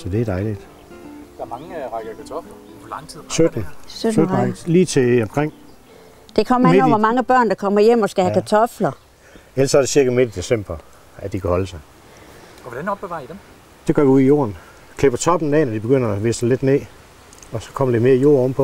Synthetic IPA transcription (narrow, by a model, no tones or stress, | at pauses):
sɒd̥e̝ædɑ̈ɪlid̥ | d̥ɑɐmɑ̈ŋʁaɡ̥əkʰæt͡sʰɒflɐ | pʰlɑ̈ŋt͡sʰið̰ˠsød̥n̩sød̥̩ʁɑɡliːt͡sʰe̝ɒmkʰʁeŋ̰ | d̥e̝kʰɒ̽m̰ɐeɒʋɑmɑ̈ŋəb̥ɶɐ̰nd̥ɑkʰɒ̽m̰ɐjem̰ɒsɡ̥æhækʰæt͡sʰɒ̽flɐ | elɐsɒ̽æɐde̝siɐɡæme̝d̥əd̥e̝sem̰b̥ɐ | æd̥ikʰæhɒ̽ləsɑ̈ɪ | ʋd̥enɒ̽b̥eʋɑ̈ːd̥em | d̥eɡɒɐʋiuðˠijo̝̰ːɐn | kʰle̝b̥ɐt͡sʰɒ̽b̥n̩ɛnæd̥ib̥e̝ɡ̥øn̰ɐæʋe̝ːsle̝d̥nḛː | ɒ̽sɒ̽kʰɒ̽mɐd̥eme̝ːɐijo̝̰ːɐ̰ɔməpʰɒ̽